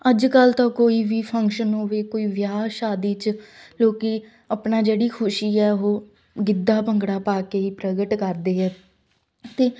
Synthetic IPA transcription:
əd͡ʒkəlt̪ãːkoːiːʋiːpʰəŋkʃənɦoːʋeːkoːiːʋjaːʃaːd̪iːt͡ʃloːkiː | əpnaːd͡ʒeːɽiːkʰʊʃiːɛːɦoː | ɡɪd̪ːaːpəŋɡɽaːpaːkeːiːpɾəɡəʈkəɾd̪eːɛː | t̪eː

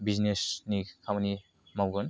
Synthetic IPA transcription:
biznesnikʰamani | mawɡɔn

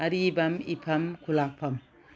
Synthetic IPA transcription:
ɐɾiːbɐmipʰɐmkʰulaːk̚pʰɐm

